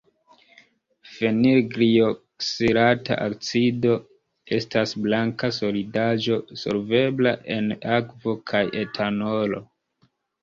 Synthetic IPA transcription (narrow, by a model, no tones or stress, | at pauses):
fe̞niɾɡɾioksiɾata̰ʔakt͡sido̞ | e̞stasblaŋkaso̞lidad͡ʒo̞so̞̰ɾve̞blaʔe̞nakvo̞kʰajʔe̞tʰano̞lo̞̰